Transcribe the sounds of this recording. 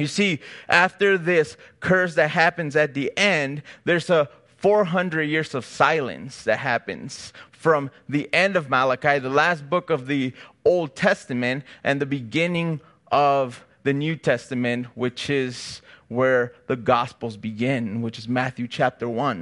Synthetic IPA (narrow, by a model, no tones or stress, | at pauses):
jɨsiʔæftə˞ðɪskʰɜ˞sðɨt̚ɦæpɨ̃nzɨt̪̚ðiʔɛ̃nðə˞zə | fɔɹɦʌ̃ndɹɨd̚jɪɹzʌv̥saɪlˠɨ̰̃nsðɨt̚ɦæpɨ̰̃nz̥fɹʌ̃mðiʔɛ̃ndʌvmælˠəkaɪðəlæst̚b̥ʊkʌvðioʊlˠd̚tʰɛstɨmɨ̃ntʔɨ̃nðɨbɨɡɪ̃nɪ̃ŋ | ʔʌv | ðɨnjʉtʰɛstɨmɨ̃nʔ̚wɪt͡ʃɪz̥wə˞ðɨɡɑspl̩ˠzbɨɡɪ̃nwɨt͡ʃɨzmæθjʉt͡ʃʰæp̚tə˞wʌ̃n